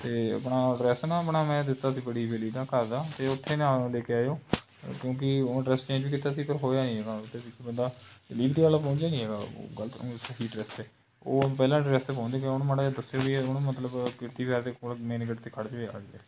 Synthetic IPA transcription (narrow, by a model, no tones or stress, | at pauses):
t̪eːə̰pɳaːɖɾɛːsnaːəpɳaːmɛ̃ːd̪ɪt̪ːaːsiːbəɽiːʋeliːd̪ãːkəɾd̪aːt̪eːʊt̪ʰːeːnãːleːkeːaːjoː | kjõːk̬ɪoɖɾɛːst͡ʃẽːd͡ʒʋiːkɪt̪ːaːsiːpəɾɦoːjaːnĩɦɛːɡaːt̪ːeːbɪkʰibənd̪aːliːkd̪iːəlpɔ̃ːnd͡ʒaːnĩːɦɛːɡa̰ːɡələt̪səɦiːɖɾɛːsɛː | oːpɛːlãːɖɾɛːseːpɔ̃ːnd̪eːkːʊnũmaɽed̪əsjoːbiʊnũmət̪ləbkɪɾt̪iːbjaːɾd̪eːkoːlmẽːnɪɡəʈt̪eːkʰəɽt͡ʃʋeːka̰ːɛː